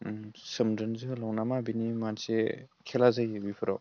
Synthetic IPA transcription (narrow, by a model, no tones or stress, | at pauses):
sɯmdɯnzɯlawnamabinimansekʰelazɯjɯbipʰɯɾaw